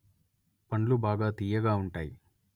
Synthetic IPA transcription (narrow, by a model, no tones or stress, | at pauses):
pɐɳlubaːɡaːt̪iːjɐɡaːuɳʈaːji